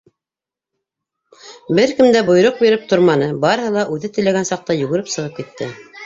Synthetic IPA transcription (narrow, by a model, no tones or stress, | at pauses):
bɘɾkɘmd̪æbŏjɾoq̚biɾɘp̚t̪oɾmɑnɤbɑɾɤ̆hɤlˠɑʔʉðɘt̪ɘ̆læɡænsɑq̚t̪ɑjɵ̆ɡɘ̆ɾɘpsɤ̆ʁɤp̚kit̪ːɘ